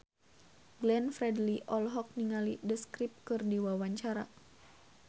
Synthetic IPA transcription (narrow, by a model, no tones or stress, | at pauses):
ɡlɛnfɾɛdliʔɔlɦɔk̚niŋalidəskɾip̚kɨrdiwawaɲt͡ʃaɾa